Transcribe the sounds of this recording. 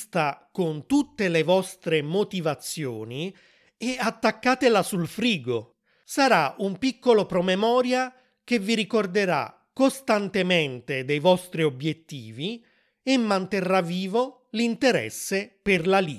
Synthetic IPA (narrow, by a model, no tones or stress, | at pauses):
st̪akont̪ut̪ːelevɔst̪ɾemot̪ivat̪sːjo̰ːni | eat̪ːakːaːt̪elasulfɾiːɡo | saɾaumpikːolopɾomemɔːɾja | k̟evːiɾikord̪eɾa̰ | kːost̪ant̪ement̪ed̪ejvɔst̪ɾiobjet̪ːiːvi | emːant̪erːaviːvo | lint̪eɾɛ̰sːeperlali